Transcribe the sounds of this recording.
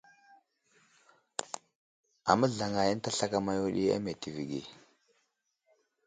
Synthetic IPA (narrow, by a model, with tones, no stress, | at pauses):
a̰˨mə˦ɮa˨ŋa˨ji˦n˦ta˦ɬa˦ka˦ma˦ju˦ɗi˦a̰˦me˨ti˨vi˨ɡḭ˨